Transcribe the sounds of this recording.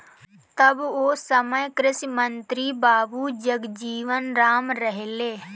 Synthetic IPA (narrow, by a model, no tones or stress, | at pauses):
t̪əboːsəməjkɾɪsmə̃nt̪ɾibaːbud͡ʒəɡd͡ʒiːʋənɾaːmɾəɦeleː